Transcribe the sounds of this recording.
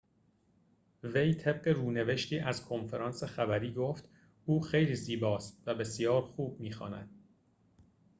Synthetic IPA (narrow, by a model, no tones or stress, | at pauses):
vejt̪ʰe̞b̥̚ɢe̞ɾuːne̞ve̞ʃt̪ʰiːʔæzkʰonfeɾɒːnsexæbæɾiːɡoːft̪ | uːxe̞jliːziːbɒːst̪̚væbe̞sijɒːɾxuːb̚miːxɒ̰ːnæ̰d̪̥